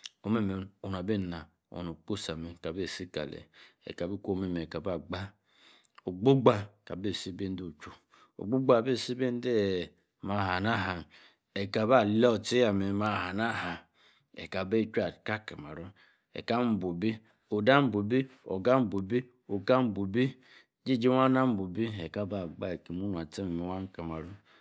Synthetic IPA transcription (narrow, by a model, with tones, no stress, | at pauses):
o˨me˦me˨o˨n˨a˨be˦˨na˨ | o̰˨no˨k͡po˦sa˨me˨ka˨be˦˨si˦ka̰˨lḛ˨ḛ˨ka˨bi˦ko˦me˦me˨ka˨ba˦˨ɡ͡ba˦ | o˨ɡ͡bo˦ɡ͡ba˦ka˨be˦˨si˦be˦n˦do˦˨t͡ʃu˨ | o̰˨ɡ͡bo˦ɡ͡ba˦˨be˦˨si˦be˦n˦de˦˨ | ma˨ha˨na˦ɦa˨n | e˨ka˨ba˦˨le˦o˨ti˦ja˨me˨˦ma˨ha˨na˦ha˨ | ḛ˨ka˨be˦˨t͡ʃu˦a˨ka˦ka˨ma̰˨ɾo˦ | ḛ˨ka˦m̩˦bo˨bi˦ | o˨da˦m̩˦bo˨bi˦o̰˨ɡa˦m̩˦bo˨bi˦ | o˨ka˦m̩˦bu˨bi˦ | d͡ʒi˦˨d͡ʒi˦wa˦na˦m̩˦bo˨bi˦e˨ka˦ba˨ɡ͡ba˦e˨ki˨mu˦nʷ˨a˨te˦m˨me˨wa˦ŋ˦ka˨ma˨ɾo˦